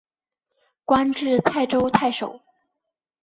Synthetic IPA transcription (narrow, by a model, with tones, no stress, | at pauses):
kwa˥nʈ͡ʂɻ̩˥˧t̪ʰa˥˩ɪʈ͡ʂo˥ʊt̪ʰa˥˩ɪʂo˨˩˦ʊ